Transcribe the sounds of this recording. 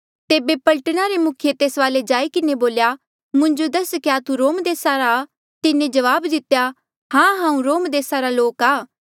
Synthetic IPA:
t̪eːbepɐlʈəɽ̃aɾemʊkʰjet̪eːsʋaːled͡ʒaːikɪneboːlja | mʊ̃ɲd͡ʒod̪ɐskejat̪uɾoːmd̪eːsaɾa | t̪ɪnẽd͡ʒɐʋaːbd̪ɪt̪ja | hãːɦãːũɾoːmd̪eːsaɾaloːkaː

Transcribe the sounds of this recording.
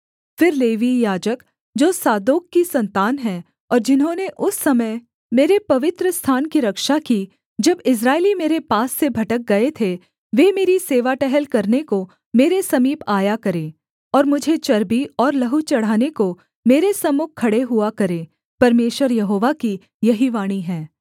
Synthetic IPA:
fɪɾleːʋijaːd͡ʒək | d͡ʒoːsaːd̪oːkːisɐ̃nt̪aːnɦɛ | ɔːɾd͡ʒɪnɦõneʔʊsːɐməɪ | meːɾepɐʋɪt̪ɾəst̪ʰaːnkiɾɐkʃaki | d͡ʒɐbɪs̬ɾaːelimeːɾepaːsːebʱɐʈək̚ɡɐet̪ʰe | ʋeːmeːɾiseːʋaʈɛɦɛlkɐɾneko | meːɾesɐmiːpaːjakɐɾẽː | ɔːɾmʊd͡ʒʱet͡ʃɐɾbiɔːɾlɐɦut͡ʃɐɽ̤aːneko | meːɾesɐmʊkkʰːɐɽeɦʊakɐɾẽː | pɐɾmeːʃʋəɾjɐɦoːʋaki | jɐɦiʋaːɽ̃iɦɛː

